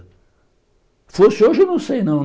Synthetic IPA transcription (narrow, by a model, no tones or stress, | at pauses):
fosɪoʒenɐ̃w̃sejnɐ̃w̪̃